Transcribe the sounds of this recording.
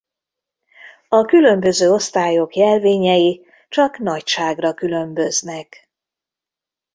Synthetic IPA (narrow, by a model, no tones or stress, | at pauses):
ɒkylø̞mbø̞zøːo̞st̪aːjo̞kjɛlveːɲɛji | t͡ʃɒkn̪ɒcʃaːɡrɒkylø̞mbø̞znɛk